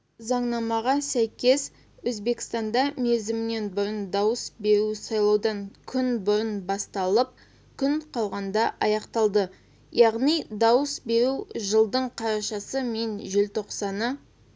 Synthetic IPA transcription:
zɑɴnɑmɑʁɑsæjkʲe̞s | wɵzbe̞kʲɪ̥st̪ɑnd̪ɑme̞zɪmɪne̞nbʊɾənd̪ɑwəsbe̞ɾusɑjlˠɑwd̪ɑŋkʲʰʏnbʊɾənbɑst̪ɑlˠəp̚ | kʲʰʏɴqʰɑlˠʁɑnd̪ɑʔɑjɑqt̪ɑlˠd̪ə | jɑʁnijd̪ɑwəsbe̞ɾuʒəlˠd̪əɴqʰɑɾɑʃɑsəmenʒɪlt̪ʰo̞qsɑnə

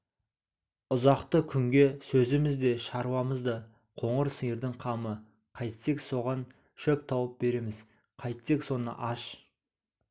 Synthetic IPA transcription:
ʊzɑqt̪əkʲʰʏŋɡʲe̞sɵzɪmɪzd̪e̞ʃɑɾuwɑməzd̪ɑ | qʰo̞ɴəɾsəjəɾd̪ɪɴqʰɑmə | qʰɑjt̪se̞kso̞ʁɑn | ʃɵk̚t̪ʰɑwəp̚be̞ɾe̞mɪz̥ | qʰɑjt̪sekso̞nə̰ʔɑʃ

